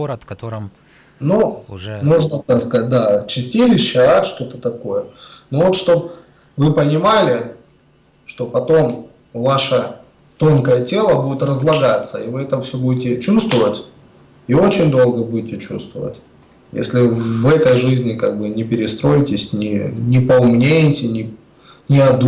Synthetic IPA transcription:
nunuʐnəst̪askɐat̚ʲd̪at͡ɕɪsʲtʲilʲɪɕːɪaʂt̪o̞t̪ət̪ɐkojənovo̞t̪ʂt̪o̞p̚ | vɨpənʲɪmalʲɪ | ʂt̪o̞pɐt̪o̞m | vaʂə | t̪o̞nkəjətʲe̞lˠəbudʲɪt̪rəzlˠɐɡat̪səivɨɛt̪əfsʲobudʲɪtʲɪt͡ɕust̪vəvətʲ | io̞t͡ɕɪnʲd̪o̞lˠɡəbudʲɪtʲɪt͡ɕṵst̪və̰və̰tʲ | jḛsʲlʲɪvɛt̪əjʐɨzʲnʲɪkaɡ̚bɨnʲɪpʲɪɾʲɪst̪ɾo̞jɪtʲɪsʲnʲɪnʲɪpəʊmnʲejɪtʲɪnʲɪ | nʲɪɐd̪

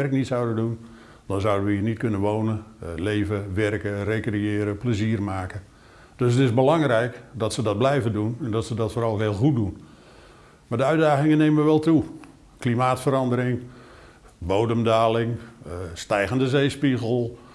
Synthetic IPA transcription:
ɛrknitsɑwdəndun | d̥ɑnzʌwdəʋəiːnitkɵnənʋownənlejvəʋɛrkərejkrejɪːɾəpləziːrmaːkə | d̥øs̬ətɪzbəlɑŋrɛjkdɔtsədɑd̚blɛjvəndunɛndɔtsədɔtfoːɾɑlˠɦɪːəlˠχut̚dun | maːdəœɥdaːχɪŋənejmʋəʋɛlˠtu | klimaːtfəɾɑndəɾɪŋ | bowdəmdaːlɪŋstɛjɣəndəzejspiɣəlˠ

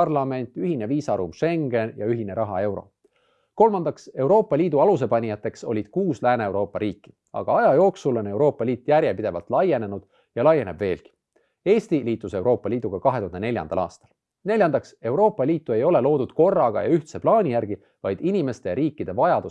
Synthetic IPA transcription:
ɑrlɑme̞nʲt̪ˑyɦine̞viːsɑɾṵmʃe̞ŋɡe̞njɑyɦine̞ɾɑɦɑ̰e̞wɾo̞̰ | ko̞lmɑnd̪ɑkse̞wɾo̞ːpːˑɑlʲiːd̪uɑluse̞pɑnʲijɑt̪ːˑe̞kso̞̰lʲid̪̥kuːslæːneewɾo̞ːpːˑɑɾiːkːi̥ | ɑ̰ɡ̥ɑɑjɑjo̞ːksulo̞ne̞wɾo̞ːpːˑɑlʲiːt̪ːˑjærjepid̪̥e̞vɑ̰lt̪ˑlɑje̞ne̞nud̪̥ | jɑlɑje̞ne̞b̥ve̞ːlɡ̥i̥ | e̞ːst̪iliːt̪ːˑuse̞wɾo̞ːpːɑliːd̪̥uɡ̥ɑkɑɦe̞t̪uhɑnd̪ene̞lʲjɑ̰nd̪̥ɑ̰lɑ̰ːst̪ɑ̥l | ne̞lʲjɑnd̪ɑkse̞wɾo̞ːpːˑɑliːt̪ːˑue̞jo̞le̞lo̞ːd̥̪ud̪̥ko̞rːɑɡ̥ɑ̰jɑyht̪se̞plɑːnʲijærɡ̥i | vɑjd̪̥inʲime̞st̪e̞jɑɾiːkːid̪̥e̞vɑjɑd̪̥u

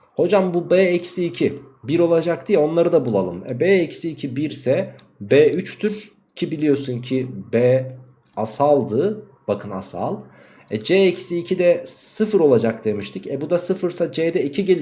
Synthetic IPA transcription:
ho̞d͡ʒambubɛːɛcsiːcʰibiɾo̞lˠad͡ʒakt̪ʰijɛo̞nlˠaɾɯd̪abulˠalˠɯmɛ̰bɛːɛcsiːcʰibiɾsɛ | bɛːyt͡ʃt̪ʰyɾ | cʰibilʲijo̞suncʰibɛ | asalˠd̪ɯ | b̥akʰɯna̰sa̰lˠ | ɛd͡ʒeːɛcsiːcʰid̪ɛsɯfɯɾo̞lˠad͡ʒak̚d̪e̞miʃt̪ʰɯcɛbud̪asɯfɯɾsad͡ʒeːd̪ɛicʰiɟelʲ

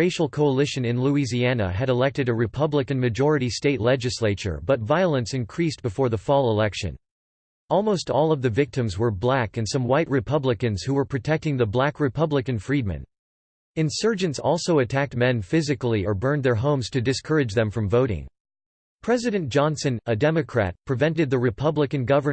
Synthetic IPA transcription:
ɹeɪʃl̩ˠkʰoʊəlɪʃɨ̃nɨ̃nluiziænə̰ɨɾəlɛk̚tɨɾɨɹɨpʰʌblɨkɨ̃nmɨd͡ʒɔɹɨɾisteɪtˡlɛd͡ʒɨsleɪt͡ʃə̰˞bʌtvaɪlˠə̃nsɨ̃nkʰɹ̥istb̥ɨfɔɹðəfɔlˠəlɛkʃɨ̰̃n | ʔɔlˠmoʊstɔlˠʌvðɨvɪk̚tɨ̃mzwə˞blækɨ̃nsʌ̃mwaɪt̚ɹɨpʰʌbləkɨ̃nz̥huwə˞pʰɹ̥ɨtʰɛk̚tɪ̃ŋðɨblækɹɨpʰʌbləkɨ̃nfɹid̚mɨ̰̃n | ɨ̃nsɜ˞d͡ʒɨ̃ntsɔ̰lˠsoʊɨtʰæk̚t̚mɛ̃nfɪzɨkl̩ˠiə˞bɜ̃˞nðə˞ɦõʊ̃mz̥tʰɨdɨskʰɜ˞ɨd͡ʒðɨ̃ɱfɹʌ̃ɱvoʊɾɪ̰̃ŋ | pʰɹ̥ɛzɨɾɨ̃nd̥ʒ̥ɑ̃nsɨ̃nɨdɛmɨkʰɹ̥æ̰t̚pʰɹ̥ɨvɛ̃ntɨd̪̚ðɨɹɨpʰʌbləkɨ̃nɡʌvə˞

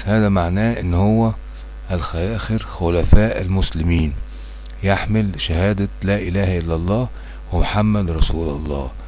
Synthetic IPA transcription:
hæːðæmaʕnæːʔɪnːhowːæ | ʔælxæjæːxɪɾxʊlæfæːʔælmʊslɪmiːn | jeħmɪlʃæhæːd̪ælæːʔɪlæːhæʔɪlːɑlˤːɑː | wɪmʊħamːæd̪ɾˤɑsuːlɑlˤːɑ̰ː

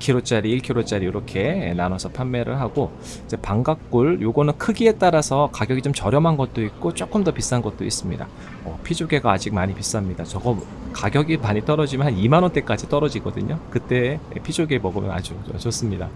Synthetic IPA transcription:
kʰiɾot͡ɕ͈aɾiiɭkʰiɾot͡ɕ͈aɾijoɾʌkʰe̞nanʌsʰʌpʰjanːe̞ɾɯ̰ɭɦaɡ̥o | id͡ʑe̞paŋɡak̚k͈uɭjoɡonɯnkʰɯɡie̞t͈aɾasʰʌkaɡjʌɡit͡ɕomt͡ɕʌɾjʌmɦanɡʌt̚t͈oik̚k͈ot͡ɕ͈ok͈ɯmdʌpis͈anɡʌt̚t͈oḭs͈ɯmɲḭda̰ | ʌpʰid͡ʑoɡe̞ɡaːd͡ʑik̚maɲipis͈amɲidat͡ɕʌɡʌ | kaɡjʌɡimaɲit͈ʌɾʌd͡ʑimanimanwʌnt͈e̞k͈ad͡ʑit͈ʌɾʌd͡ʑiɡʌdɯ̰ɲokɯt͈e̞ḛpʰid͡ʑoɡemʌɡɯmjʌ̰na̰d͡ʑoʌt͡ɕʌs͈ɯmɲida

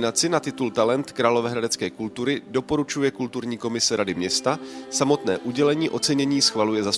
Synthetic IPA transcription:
nat͡sɪnat̪ɪt̪ult̪alɛnt̪kɾaːlovɛːɦɾadɛt͡skɛːkult̪uɾɪdo̞po̞ɾut͡ʃujɛkult̪uɾɲiːko̞mɪsɛɾadɪmɲɛst̪asamo̞t̪nɛːʔuɟɛlɛɲiːʔo̞t͡sɛɲɛɲiːsxvalujɛzas

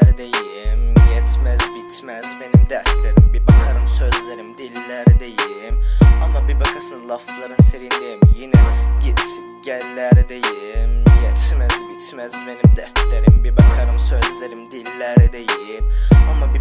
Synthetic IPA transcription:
ɾd̪ejimjɛt̪ʰmæzbit͡ʃ̪ʰmæzmenimd̪æɾt̪ʰleɾimbibakʰaɾɯmsøzlʲeɾimd̪ilːæɾid̪ejimamabibakʰasɯnlˠaflˠaɾɯnseɾind̪ejimjinɛɟit͡ʃʰ | ɟælːæɾid̪ejimjɛt͡ʃʰmæzbit͡ʃ̪ʰmæzmenimd̪æɾt̪ʰleɾimbibakʰaɾɯmsøzlʲeɾimd̪ilːæɾid̪ejimamabi

